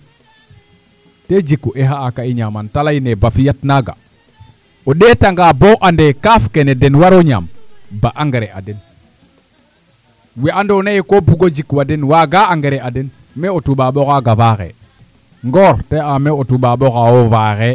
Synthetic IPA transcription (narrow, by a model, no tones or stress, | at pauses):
ted͡ʒikːuʔeɦaːkaiɲamantalajnebafijatnaɡa̰ | oɗetaŋɡaːboʔandekafkenedenwaɾoɲa̰ːmbaʔaŋɡeɾeʔa̰den | wiandonajikobuɡod͡ʒikːwadenwaɡaaŋɡeɾeaden | meotuɓaɓokaɡavaxḛ | ŋɡoɾteameotuɓaɓokawovaxe